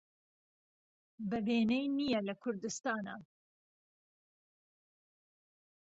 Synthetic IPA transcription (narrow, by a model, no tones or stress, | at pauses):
bɐveːnɛjnijɛlɐkʰʊɾd̪ɨst̪ɑːna̰